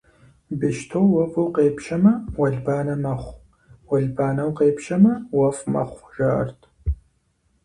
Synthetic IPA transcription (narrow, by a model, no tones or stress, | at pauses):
bɨʃtʰowwɐvʼuwqeːpʃɐmɐwɐɮbaːnɐmɐχʷ | wɐɮbaːnɐwqeːpʃɐmɐwɐfmɐ̰χʷʒɐɐ̰rtʰ